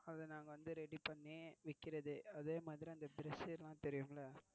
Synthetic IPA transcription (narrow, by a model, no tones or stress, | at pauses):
ɐðɯnaːŋɡɐʋɐnd̪ɯɾɛɽipɐɳːeːʋɪkːɪɾɐðɯɐðeːmaːðɪɾiɐnd̪ɐbɪɾɛsɪlãːt̪ɛɾɪjɯmɐlɐ